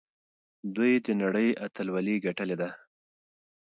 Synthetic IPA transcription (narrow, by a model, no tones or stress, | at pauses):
d̪ujd̪ənaɽəjʔat̪alwaliɡaʈəled̪a